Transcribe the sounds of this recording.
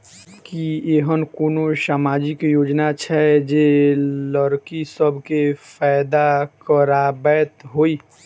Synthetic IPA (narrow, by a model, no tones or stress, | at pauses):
kieɦənkoːnosaːmaːd͡ʒikjoːd͡ʒnat͡ʃʰɛd͡ʒeləɾkisəbʱkefʰaːɪd̪akəɾabɛːt̪ɦoi